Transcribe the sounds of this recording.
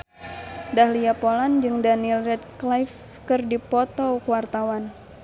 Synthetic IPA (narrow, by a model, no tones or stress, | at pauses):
dahliapoland͡ʒɨŋdanilrɛt̪̚klajf | kɨrdipɔt̪ɔkuwart̪awan